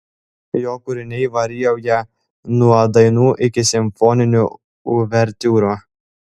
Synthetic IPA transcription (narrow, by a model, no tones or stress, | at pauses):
joːkʊɾʲɪnʲɛɪʋɐɾʲiːjɛʊjɛ | nuɔd̪ɐɪnuːʔɪkʲɪsʲɪmʲfɔnʲɪnʲu | ʊʋʲɛɾʲt̪ʲuːɾu